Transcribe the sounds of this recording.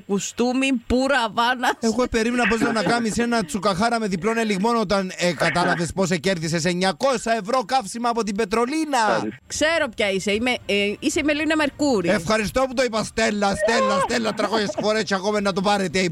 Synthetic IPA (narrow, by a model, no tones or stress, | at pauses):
kust̪umipuɾɐvɐnɐexope̞ɾimnɐpo̞znɐnːɐkɐmise̞nɐt͡sukɐxɐɾɐme̞ðiplo̞neliɣmo̞not̪ɐnekɐt̪ɐlɐve̞spo̞sece̞ɾðis̬es̬eɲːɐko̞sɐe̞vɾo̞kɐfsimɐːpo̞t̪̬imbe̞t̪ɾo̞linɐkse̞ɾo̞pçɐiseimeiseimelinɐmeɾkuɾiefxɐɾist̪o̞put̪oipɐst̪e̞lːɐst̪elːɐst̪elːɐt̪ɾɐko̞çesfo̞ɾescɐkomenːɐt̪opɐɾet̪ei